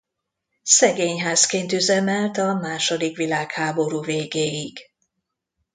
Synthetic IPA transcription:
sɛɡeːɲɦaːskeːnt̪yzɛmɛlt̪ɒmaːʃo̞d̪ikʋilaːkhaːbo̞ɾuːveːɡeːjiɡ

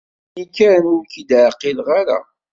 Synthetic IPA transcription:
ikːæɾmuɾkid̪ʕqːilʁaɾa̰

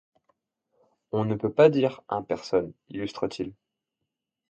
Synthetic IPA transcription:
ɔ̃nəpøpad̪iʁɛ̃pɛʁsɔnilyst̪χət̪ʰil

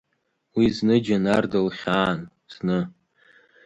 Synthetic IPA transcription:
wiznɨd͡ʒanardɨlχʲaːn | z̥nɨ

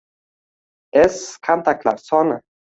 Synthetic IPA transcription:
eskʰant̪akla̰sɔnə

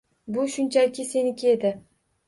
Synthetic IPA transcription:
bʊʃʊnt͡ʃʰalɪkʲɪse̞nɪkʲʰed̪ɪ

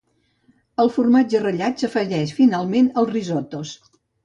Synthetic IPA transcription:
əlˠfurmad͡ʒərəʎasəfəʒɛʃfinalˠmenəlˠrizot̪os

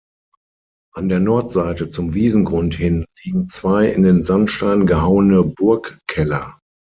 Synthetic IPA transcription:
ʔandeːɐnɔɐtz̥aɪtət͡sʊmviːzn̩ɡʁʊnthɪnliːɡŋ̩t͡sv̥aɪɪ̰ndeːnzantʃtaɪnənɡəɦaʊənəbʊɐkkʰːɛlɐ

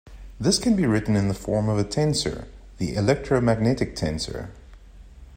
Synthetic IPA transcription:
ðɪskʰɨ̃nbiɹɪʔn̩ɨ̃nðəfɔɹmʌvɨtʰɛ̃nsə̰˞ | ðiʔɪlɛk̚tɹ̥oʊmæɡ̚nɛɾɨk̚tʰɛ̃nsə̰˞

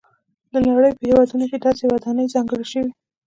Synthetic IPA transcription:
d̪ənaɽəjpəhewɑd̪unoked̪ɑsewad̪ɑnəjzɑŋɡəɽʃəwi

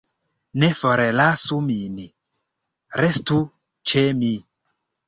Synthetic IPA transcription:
nefoɾelasumini | ɾestu | t͡ʃemi

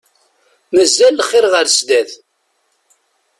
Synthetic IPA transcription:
məzːælːəχːɪɾʁəɾsd̪æθ

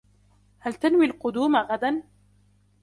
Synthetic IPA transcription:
halt̪anwilqʊd̪uːmaɣad̪an

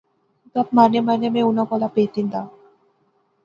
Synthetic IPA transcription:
t̪at̪̚manemanemẽunakɔlapeːt̪ind̪a

